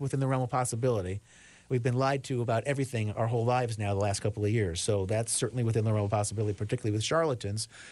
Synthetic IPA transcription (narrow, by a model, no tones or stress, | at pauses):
wəθɪ̃nðəɹɛ̃l̩ˠpʰɑsəbɪlˠəɾi | wivbɨ̃nlaɪd̚tʰɨəbaʊɾʔɛvɹiθɪ̃ŋa̰ʊə˞ɦoʊlaɪvznaʊðəlæst̚kʰʌpl̩ˠʌvjɪɹz̥soʊðætsɜ˞ʔn̩liwəθɪ̃nðəɹɛ̃m̩l̩ˠpʰɑsəbɪlˠəɾipʰə˞tʰɪkjl̩ˠiwɨð̥ʃɑɹlˠəɾɨ̃nz̥